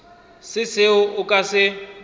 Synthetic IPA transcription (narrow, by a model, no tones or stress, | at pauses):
sɪsɪʊʔʊkʼasɪ